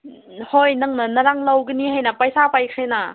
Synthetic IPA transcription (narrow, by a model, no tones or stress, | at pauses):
hojnɐŋnɐnɐɾaŋlawɡɯnihajnɐpajsapajkʰajna